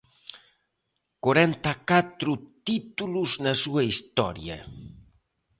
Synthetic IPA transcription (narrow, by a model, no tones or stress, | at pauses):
koɾɛnt̪akat̪ɾut̪it̪uluznasuɐist̪ɔɾjɐ̰